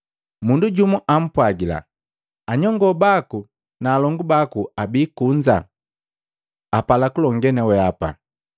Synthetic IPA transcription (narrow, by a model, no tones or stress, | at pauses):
munduɟumuʔam̩pwaɡila̰ | aɲɔŋɡɔbaku | naːlɔŋɡubakuabiːkuɲd͡ʒa̰ | apalakulɔŋɡɛnɛwɛapa̰